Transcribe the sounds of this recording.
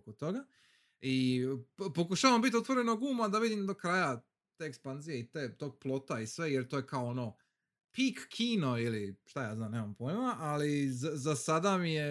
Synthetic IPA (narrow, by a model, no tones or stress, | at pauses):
kot̪o̞ɡa | i | po̞kuʃaʋambit̪io̞t̪ʋo̞ɾe̞noɡuːmad̪aʋid̪imd̪okɾaːja | t̪eːkspanzije̞it̪eːt̪o̞ːɡ̚plˠo̞t̪aisʋe̞je̞ɾt̪oːje̞kaoono̞ | pikːʰiːno̞iliʃt̪ajaːznaːneːmampo̞imaʔalizazasad̪amije